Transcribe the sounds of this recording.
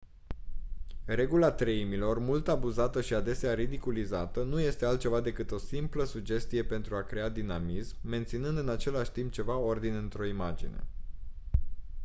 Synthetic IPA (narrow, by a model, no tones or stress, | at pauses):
re̞ɡulat̪ɾeimilo̞rmult̪abuzat̪əʃiad̪e̞seaɾid̪ikulizat̪ənuje̞st̪e̞alt̪̚t͡ʃe̞vad̪e̞kɨt̪o̞simpləsud͡ʒe̞st̪ije̞pe̞nt̪ɾuakɾe̞ad̪inamismːe̞nt̪sinɨnd̪ɨnat͡ʃe̞laʃʲt̪imp̚t͡ʃe̞vao̞rd̪inɨnt̪ɾo̞imad͡ʒḭne̞̰